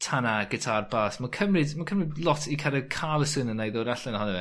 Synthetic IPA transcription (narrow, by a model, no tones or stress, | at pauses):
tʰanaɡ̥ɛtʰarbaːsmakʰəmrɪdmakʰəmrɪdlˠɔtʰikʰaɾəkʰaːlˠəsɪnənajðɔːɾaɬɛnhɔnɛvɛ